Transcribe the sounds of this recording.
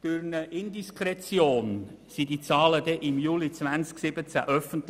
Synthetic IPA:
d̥ʊɾnəʔɪnd̪iskʰɾɛt͡sjoːnsid̥it͡sɑːləd̪ɛʔɪmjuːlit͡svænsksɪb̥ət͡sæ̰ʔœfənt

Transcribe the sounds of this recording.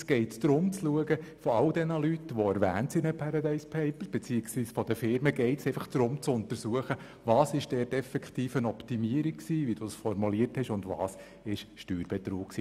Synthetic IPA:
sɡ̥ɛɪtsd̪̥ɾʊmt͡sluəɡəfɔɑldɛnəlytʋɔæɾʋæ̰ːntsinəpʰɑɾɑd̪ɛɪspʰɛɪpəb̥ɛt͡siːɪksʋiːsfɔd̥̪əfɪɾməɡɛɪtseɪfəχd̥ɾʊmt͡sʊnt̪əɾsuəχə | ʋɑːsɪʃd̥ɛːtɛfɛkχt̪iːfənɔptimiəɾiksiːʋid̥usfɔɾmuliəɾthɛʃʊndʋɑ̰ːs | ɪʃʃtyːɾb̥ɛt̪ɾuːkksiː

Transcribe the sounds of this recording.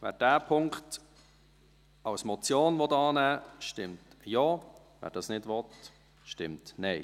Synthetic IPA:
vɛ̰ːɾd̥æːpʰʊŋkt | ɑwsmɔt͡sjoːnvɔtɑːnæːʃtɪmtjoː | væ̰ːɾd̥ɑsnɪdvɔt | ʃtɪmtnɛɪ

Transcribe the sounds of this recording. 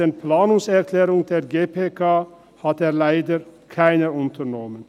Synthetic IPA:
eːnpʰlɑːnʊŋsɛɾkʰlɛːɾʊŋd̪eːɾɡeːpʰeːkʰɑː | hɑt̪eːɾlæɪd̪əɾkʰæɪnəʊnt̪ʰəɾnɔmən

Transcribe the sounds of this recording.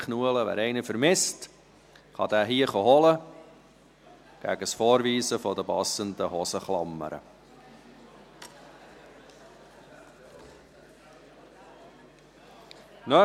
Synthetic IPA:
χnuələʋæ̰ːɾɛɪnəfəɾmɪst | χɑ̰d̪æːɦiːəχoɦɔlə | ɡ̥æ̰ɡ̥əsfoːɾviːsəfɔd̪əpɑsənd̪əhɔsəχlɑ̰mːə̰ɾə̰ | nœ

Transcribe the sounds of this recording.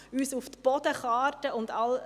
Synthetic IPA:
yːsuft̪b̥ɔdəχɑːɾtəʊndɑl

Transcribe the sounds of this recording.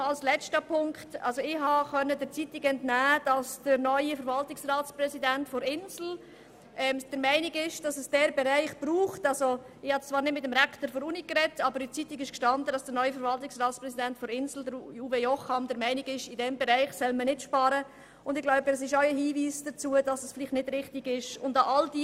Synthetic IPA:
ɑlslɛt͡stəpʰʊŋktɑ̰lzoɪhɑχœnːədəɾt͡sitɪkɛntnæːd̥ɑsd̥əɾnœʏifəɾvɑltɪksraːtspɾɛsidæntfɔɾɪnzl̩ | ʔɛːmd̥əɾmæɪnɪɡɪʃd̥ɑsəsd̥ɛɾbɛɾæɪχb̥ɾuːχtɑlzo | ɪhɑtt͡svɑːɾnɪdmɪtəmɾɛkʰt̪əɾfɔɾunikɾɛtːɑbəɾit͡sitɪkɪʃkʃtɑndəd̥ɑsd̥əɾnœʏifəɾvɑltɪksrɑːtspɾɛsidɛntfɔɾɪnsl̩dəɾuːvejɔχhɑmd̥̪əɾmæɪnɪɡɪʃɪdɛmbɛɾæɪχsɛlmənɪtʃpɑːɾə | ʊndɪɡ̥laʊbədɛsɪʃaʊəɦiːviːsd̥ət͡suəd̥ɑsəsfɪlɪχtnɪd̥ɾɪχtɪɡɪʃʊndɑʔɑld̥i

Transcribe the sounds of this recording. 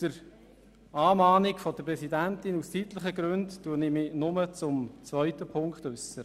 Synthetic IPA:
d̥əɾ | ɑːmɑːnɪkfɔdəpɾɛsidæntɪnustiːtləχəɡɾɵntːuːənimɪnʊmət͡sʊmt͡svœʏtəpʰʊŋkχtʉsːə

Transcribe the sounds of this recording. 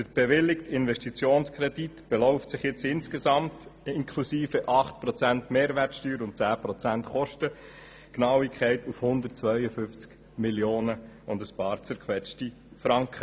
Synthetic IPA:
təɾb̥ɛʋɪlːɪktɪnvɛʃtit͡sjoːnskʰɾɛditb̥ɛlɔʊftsɪχjɪt͡sɪnskesɑmtɪŋkʰlusiːfəʔɑχtpɾɔt͡sæntmeːɾvʋɛrtsʃtyːɾʊntt͡sæːpɾɔt͡sæntχɔʃtə | knɑwɪkʰχɛɪtufhʊnd̪ərt̚t͡sʋœʏəfʏnft͡sk | miljoːnəʊndəspɑːɾt͡sɛɾkʰʋɛt͡ʃti | fɾɑŋkχə

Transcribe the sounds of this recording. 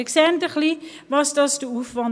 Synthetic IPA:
əksɛndəχli | vɑsdɑsdəufvɑn

